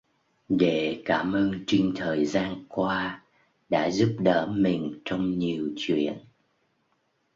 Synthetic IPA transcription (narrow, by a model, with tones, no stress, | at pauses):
ɗe˧˩kaː˧˩mʔəː˧nt͡ɕï˧ŋ̟t̪ʰəː˨˩jzaː˧nkwaː˧ | ɗa̰ː˧˥zu˦˥p̚ɗə̰ː˧˥mï˨˩ŋ̟t͡ɕɔ˧wŋ͡mɲi˨˩əwt͡ɕwḭ˧˨ən